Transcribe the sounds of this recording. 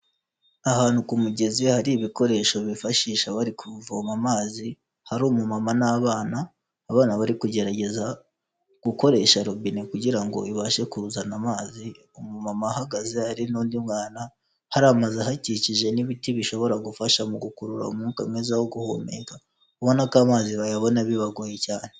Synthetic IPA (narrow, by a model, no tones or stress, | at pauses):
ahaːn̥hukumuɟe̞ziwehaɾiβiko̞ɾe̞ːʃo̞βifaʃiːʃaβaɾikʰuvomamaːzi | haɾuːmumamanaːβaːnaː | βaːnaβaɾikuɟe̞ɾaɟe̞za | ɡ̥uko̞ɾe̞ːʃaɾobinekuɟiɾaŋɡo̞̰iβaːʃe̞kuzanamaːzi | omumamahaɡazeaɾinuːndimŋaːna | haɾamazeɦaciciʒe̞niβitiβiʃo̞βo̞ɾaɡufaʃamuɡukuɾuɾa̰mukaŋezaho̞ɡuho̰ːmḛːka | uβonakaːmaːziβajaβo̞naβiβaɡojecaːne